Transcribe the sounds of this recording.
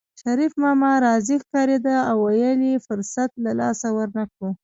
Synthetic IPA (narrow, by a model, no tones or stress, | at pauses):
ʃaɾifmɑmɑɾɑzixkɑɾed̪aawːajəlifʊɾsat̪lalɑ̰sawəɾnakɽu